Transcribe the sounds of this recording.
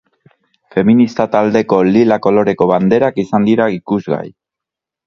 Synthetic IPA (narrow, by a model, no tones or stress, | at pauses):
fe̞minist̪at̪ald̪e̞ko̞lilako̞lo̞ɾe̞ko̞βand̪e̞ɾakisand̪iɾaikuzɣa̰j